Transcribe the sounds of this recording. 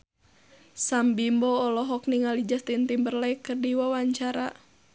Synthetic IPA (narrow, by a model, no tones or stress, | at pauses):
sambimbɔːlɔɦɔk̚niŋalid͡ʒast̪int̪imbərlajkərdiwawaɲt͡ʃaɾa